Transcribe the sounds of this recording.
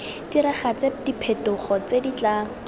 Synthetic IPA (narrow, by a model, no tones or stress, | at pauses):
d̥iɾaχat͡sedipʰetʊχɔt͡sedit͡ɬaːŋ̩